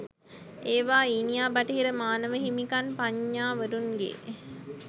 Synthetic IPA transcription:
eːʋaːinijaːbaʈəɦiɾəmaːnəʋəɦimikanpaɲːaːʋəɾunɡḛ

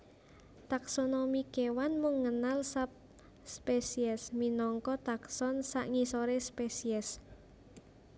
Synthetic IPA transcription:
t̪aksonomikewanmuŋːənalsap̚ | spesiɛsminɔŋkɔt̪aksɔnsa̰ʔŋisoɾespesiɛs

